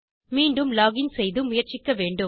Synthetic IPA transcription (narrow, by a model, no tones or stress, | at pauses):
miːɳɖɯmlaːɣɪnsɛjðɯmʊjɐɾt͡ʃɪkːɐʋeːɳɖɯ